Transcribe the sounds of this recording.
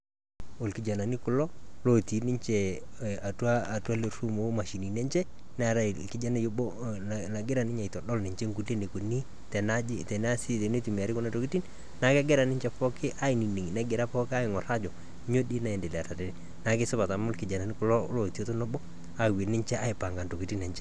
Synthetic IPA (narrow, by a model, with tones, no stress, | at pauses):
ʊ˨lkɪ˨d͡ʒa˨na˨ni˦kʊ˨lɔ˦lo˨ti˨˦nɪ˦ɲt͡ʃɛ˨a˨twa˦˨ta˦le˨ru˦mo˨˦ma˨ʃi˨ni˨nɛ˦ɲt͡ʃɛ˦ | n˦a˨ɾa˦˨kɪ˦d͡ʒa˦na˦jo˦bɔ˦ | na˨ɡɪ˦ɾa˨nɪ˦ɲa˨i˨tɔ˨dɔ˦lnɪ˨ɲt͡ʃɛ˦ŋɡu˨le˦ne˨ko˨ni˦ | tɛ˨na˦d͡ʒɪ˦tɛ˨na˦si˦te˨ne˦tu˨mi˨a˨ɾɪ˦kʊ˦na˦to˨ki˦ti˦n | na˨ka˦ɡɪ˦ɾa˨nɪ˦ɲt͡ʃɛ˨pɔ˦kɪ˦ʔa˦ɪ˨ni˨ne˨ŋ˨nɛ˦ɡɪ˨ɾa˦pɔ˦kɪ˦a˦ɪ˨ŋɔ˨ɾa˦d͡ʒɔ˨ | ɲo˦dɪ˦na˨ɛ˨nde˨li˨a˨ta˨te˨ni˦ | na˨kɪ˦sʊ˦ba˨ta˨mʊ˦lkɪ˨d͡ʒa˨na˨ni˦kʊ˨lɔ˦lo˨ti˦o˦to˦no˦bɔ˦ | a˨we˨nɪ˦t͡ʃɛ˦a˦ɪ˨pa˨ŋɡa˨nto˨ki˨ti˦nɛ˨t͡ʃɛ˦